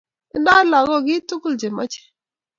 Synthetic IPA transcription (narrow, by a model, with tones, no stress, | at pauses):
i˦nda˦la˨ɡɔ˦˨ɡɪ˦tʊ˦kʊ˦˨ld͡ʒe˨ma˦t͡ʃe̥˨